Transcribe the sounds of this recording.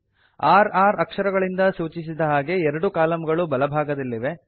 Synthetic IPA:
aːɾaːɾɐkʂɐɾɐɡɐɭind̪ɐsuːt͡ʃis̬id̪ɐɦaːɡe̞ɛɾɐɽukaːlɐmɐɡɐɭubɐlɐbʱaːɡɐd̪ɐlːiʋe̞

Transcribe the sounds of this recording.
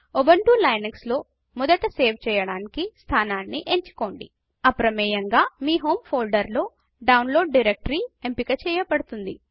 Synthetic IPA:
obɐɳʈuːlɐjnɐɡslo̞ː | mɔd̪ɐʈɐseːʋt͡ʃɛːjɐɽaːnikist̪ʰaːnaːnːiʔeɲt͡ʃi̥ko̞ːɳɖḭ | ɐpɾɐmɛːjɐŋɡaːmiːɦo̞ːmpʰoːlɖɐɾlo̞ː | ɖɐwunlo̞ːɖːiɾek̚ʈɐɾiempikɐt͡ʃɛːjɐpɐɽut̪und̪i

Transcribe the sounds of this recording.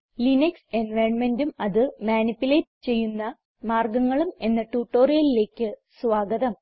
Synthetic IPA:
linɐkse̞nʋɐjɳme̞ndumɐðɨmaːnipːuleʈːɨt͡ɕe̞jːunːɐ | maːrɡɐŋːɐɭume̞nːɐʈuːʈːo̞ːrijɐlile̞ːkʲːɨsʋaːɡɐðɐm

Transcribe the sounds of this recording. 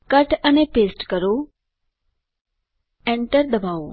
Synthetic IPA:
kəʈʰənẽːpeːsʈkəɾoː | ɛ̃ːɳʈəɾd̪əbaːoː

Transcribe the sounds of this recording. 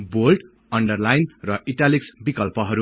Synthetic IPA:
bolɖ | ʌɳɖʌrlajnrʌʔiʈaliksbikʌlpʌɦʌɾu

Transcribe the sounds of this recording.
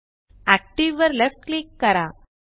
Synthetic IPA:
æk̚ʈiʋʋəɾlefʈ̚klikːɐɾa

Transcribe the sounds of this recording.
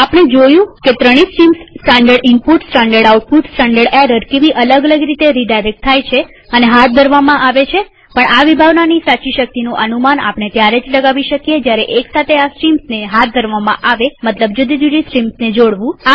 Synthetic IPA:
apɽ̃ed͡ʒojũket̪ɾəɽ̃isʈɾimsːʈaɳɖəɾɖɪmpuʈsʈãɳɖəɾɽauʈ̚puʈsʈaɳɖəɽeɾəɾkeʋiʔələɡələɡɾit̪eɾiɖajɾɛk̚t̪ʰːajt͡ʃʰe | əneɦat̪̚ʰd̪ʱəɾʋamãʔaʋet͡ʃʰe | pəɳaʋibʱaʋnanisat͡ʃiʃək̚t̪inũʔənumana̰pɳet̪jaɾed͡ʒləɡaʋiʃəkijed͡ʒjaɾeʔeksat̪ʰeasʈɾimsneɦat̪̚ʰd̪ʱəɾʋamã̰ʔaʋemət̪ləbd͡ʒud̪id͡ʒ̪ud̪isʈɾimsned͡ʒoɽʋũ

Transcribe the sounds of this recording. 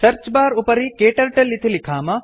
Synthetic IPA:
sɐɾt͡ʃbaːɾupɐɾikeːʈɐlʈɐlit̪ʰilikʰaːmɐ

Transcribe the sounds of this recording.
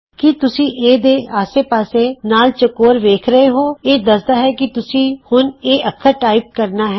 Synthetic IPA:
kɪt̪ʊsĩːʔeːd̪eːaːseːpaːseːnaːlt͡ʃəkoːɾʋeːkʰɾəeːɦoːeːd̪əsd̪aːɦɛːkɪt̪ʊsĩːhʊneːəkʰːaːʈaːip̚kəɾnaːɦɛː

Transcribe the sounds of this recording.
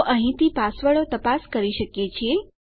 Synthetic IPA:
ʔəɦĩt̪ipasʋəɭot̪əpaskəɾiʃəkjet͡ʃʰe

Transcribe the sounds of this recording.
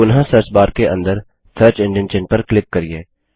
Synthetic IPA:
ʊnɦãsəɾt͡ʃbaːɾkeʔɐ̰̃nd̪əɾ | sʰəːɾt͡ʃɪ̃ɳɖənt͡ʃɪ̃npɐɾklɪp̚kɐɾieː

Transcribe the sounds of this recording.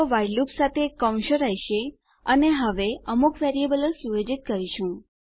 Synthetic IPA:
oʋajlupsat̪ʰekəw̃ʃəɾəjʃe | əneɦəʋeəmukʋeɾiebələsujed͡ʒit̪̚kəɾiʃũ

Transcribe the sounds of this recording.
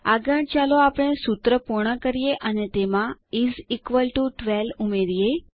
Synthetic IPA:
aɡə̃ɽt͡ʃaloapɽ̃esut̪ɾəpuɾɳəkəɾijeʔənet̪emãizikʋəlʈuʈʋɛlumeɾije

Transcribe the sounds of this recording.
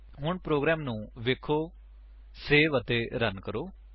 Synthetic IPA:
ɦʊɳpɾoːɡɾɛːmnũːʋeːkʰoː | seːʋət̪eːɾənkəɾoː

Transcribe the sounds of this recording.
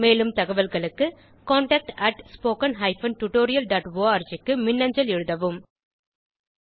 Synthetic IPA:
meːlɯmt̪ɐɣɐʋɐlɣɐɭɯkːɯ | koːɳʈɐːk̚ʈɐʈspoːkɐnɦɐɪfɐnʈʊʈoːɾɪjɐlɖaːʈʋoːaːɾd͡ʒɪkːɯmɪnːɐɲd͡ʒɐlɛɻɯðɐʋɯm

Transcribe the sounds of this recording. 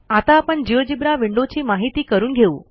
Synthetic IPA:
at̪aːpəɳd͡ʑiʋd͡ʑibɾaʋiɳɖot͡ɕiːmaɦit̪iːkəɾuːnɡʱeṵ̃ː

